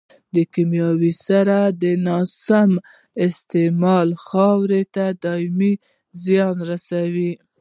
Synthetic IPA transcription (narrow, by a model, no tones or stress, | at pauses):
d̪əkimjɑwisaɾad̪ənɑsam | ɪst̪emɑlxɑwɾet̪ad̪ɑmi | zjɑnɾasawi